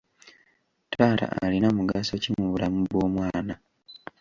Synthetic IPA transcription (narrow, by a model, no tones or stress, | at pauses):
taːɾa̰ʔa̰linamuɡasocimuβulamuβwo̞ːmwaːna